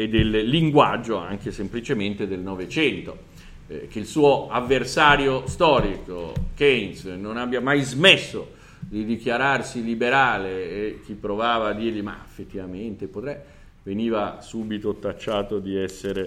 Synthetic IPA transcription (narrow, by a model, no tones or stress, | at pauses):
ed̪ːelːiŋɡwad͡ʒːoa̰ŋk̟esemplit͡ʃement̪ed̪elnɔvet͡ʃɛnt̪o | k̟eilsuːoavːersaːɾjost̪ɔːɾiko̰kɛnsnonabjamajzmesːo | d̪id̪ikjaɾarsilibeɾaːleːk̟ːipːɾovaːvaːd̪ːiːrʎima̰efːet̪ːivament̪epot̪ɾɛ | veniːvasuːbit̪ot̪at͡ʃːaːt̪od̪iɛsːeɾe